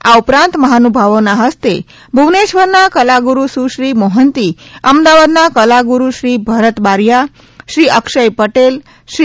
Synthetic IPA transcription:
a̰upɾãnt̪məɦanubʱaʋonaɦəst̪e | bʱuʋneʃʋəɾnakəlaɡuɾusuʃɾimoɦənt̪iəmd̪aʋad̪nakəlaɡuɾuʃɾiːbʱəɾət̪baɾja | ʃɾiʔəkʃəjpəʈel | ʃ

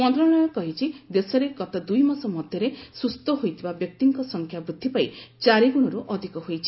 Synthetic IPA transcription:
mɔnt̪ɾɔ̃ɔjɔkɔɦit͡ʃʰid̪esɔɾekɔt̪ad̪ujmɔsɔmɔd̪ʱjɔɾesust̪ɔɦojt̪ʰibabjɔk̚t̪iŋkɔsɔŋkʰjabɾud̪ʱːipait͡ʃaɾeɡuɽ̃ɔɾuʔɔd̪ʱikɔɦojt͡ʃʰi̥

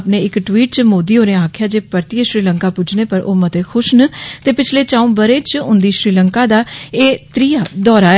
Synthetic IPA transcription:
pneːɪkʈwiːʈ̚t͡ʃmoːd̪iːɦoːɾẽaːkʰjaːd͡ʒeːpəɾt̪iːeʃɾiːləŋkaːpʊd͡ʒneːpəɾʔoːmət̪eːkʰʊʃnət̪eːpɪt͡ʃʰleːt͡ʃãːũːbəɾeːt͡ʃʊ̰̃nd̪iːʃɾiːləŋkaːd̪aːeːt̪ɾijaːd̪ɔːɾaːɛ

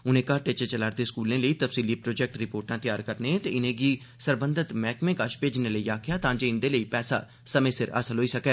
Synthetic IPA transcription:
ʊnẽːkaːʈeːt͡ʃət͡ʃəlaːɾd̪eːskuːlẽːləiːt̪əfsiːliːpɾoːd͡ʒɛːk̚ʈɾɪpoːɾʈãːt̪ɪjaːɾkəɾnẽːt̪eːɪnẽːɡiːsəɾbənd̪ət̪mɛːkmẽːkaʃpeːd͡ʒɪnẽːləiːaːkʰɪjaːt̪ãːd͡ʒeːɪnd̪eːləiːpɛːsa̰ː | səmẽːsɪɾə̰səlɦoːiːsəkɛː

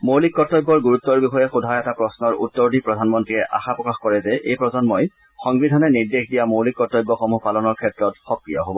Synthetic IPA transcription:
mowlikːɔtːɔjbːɔɹɡuɹutːɔɹbixɔjɛxudʱajɛtapɹɔsnɔɹṵtːɔɹdipɹɔdʱanmɔntɹiɛʔaxapɹɔkaxkɔɹɛzɛʔejpɹɔzɔnmoj | xɔŋbɹidʱɔnɛniɹdexdijamowlikːɔtːɔjbːɔxɔmupalɔnɔɹkʰɛtɹɔtxɔkɹijɔ̰ɦobɔ

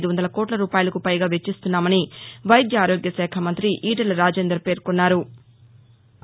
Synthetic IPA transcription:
d̪uʋɐnd̪ɐlɐkɔːʈlɐɾuːpaːjɐlɐkupɐjɡaːʋe̞t͡ʃːist̪unːaːmɐniʋɐjd̪jɐaːɾoːɡjɐsɛːkʰɐmɐnt̪ɾiʔiːʈɐlɾaːd͡ʒeːnd̪ɾɐpe̞ːɾkonːaːɾu

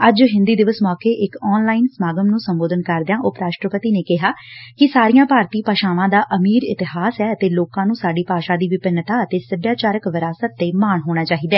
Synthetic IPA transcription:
əd͡ʒɦɪnd̪iːd̪ɪʋəsmɔːkeːʔɪkɔːnlaːinsmaːɡəmnũːsəmboːd̪ənkəɾd̪ɪjãːʔʊpɾaːʃʈɾəpət̪iːneːkɪɦaːkɪsaːɾijãːpaːɾt̪iːpaːʃaːʋãːd̪aːʔəmiːɾɪ̰t̪ɪɦaːsɛːət̪eːloːkãːnũːsaːɖiːpaːʃaːd̪iːʋɪpɪnːt̪aːət̪eːsəbjaːt͡ʃaːɾəkʋəɾaːsət̪ːeːmaːɳɦoːɽ̃aːt͡ʃaːɦiːd̪ɛː

